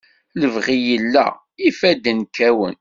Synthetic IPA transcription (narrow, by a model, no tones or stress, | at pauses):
ləvʁijəlːæ̰ | ifæd̪ənkːæwə̰n